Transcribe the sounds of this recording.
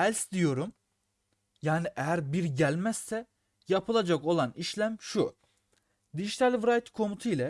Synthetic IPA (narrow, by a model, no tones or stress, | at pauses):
ælʲsd̪ijo̞ɾum | jaːniʔejæɾbiɾɟælʲmæz̥ːɛ | japʰɯlˠad͡ʒako̞lˠaniʃlʲæmʃu | d̪iʒit̪ʰalʲvɾajt̪kʰo̞mut̪ʰuilʲɛ